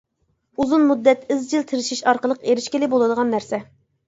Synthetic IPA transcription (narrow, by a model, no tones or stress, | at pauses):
uzunmud̪ːɛt̪ɪzd͡ʒilt̪ʰɪɾɪʃiʃɑɾqəlˠəqeɾɪʃkʲilɪbolˠɨd̪əʁɑnːæɾsɛ